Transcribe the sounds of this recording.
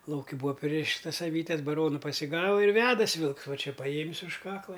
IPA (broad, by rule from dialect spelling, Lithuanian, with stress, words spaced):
ˈlˠɐʊkʲɪ ˈbuːɐ ˈpʲrʲɪrʲɪʃtɐs ɐˈʋʲiːtʲɛs bɐˈroːnʊ pɐsʲɪˈɡɑːʋɐ ɪr ˈʋʲæːdɐsʲɪ ˈʋʲɪlˠks ˈʋɐ ˈt͡ʃʲɛ pɐˈjeːmʲɪs ʊʃ ˈkɑːklˠɐ